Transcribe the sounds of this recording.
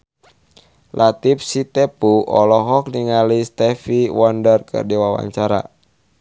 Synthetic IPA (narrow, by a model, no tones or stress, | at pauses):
lʔat̪ip̚sit̪ɛpuʔɔlɔɦɔk̚niŋalist̪ɛfiwɔndərkɨ̰rdiwawa̰ɲt͡ʃaɾa̰